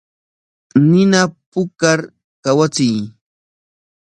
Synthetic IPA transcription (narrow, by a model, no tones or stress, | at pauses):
nɪnapʊkaɾ | kawat͡sɪj